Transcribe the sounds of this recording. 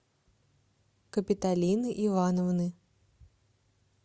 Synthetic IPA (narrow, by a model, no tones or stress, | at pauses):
kɐpʲit̪alʲinɨʔivanɐwnɨ